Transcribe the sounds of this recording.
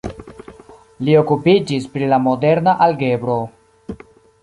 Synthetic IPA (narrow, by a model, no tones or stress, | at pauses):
lio̞kupid͡ʒispɾilamo̞de̞ɾnaʔalɡe̞bɾo̞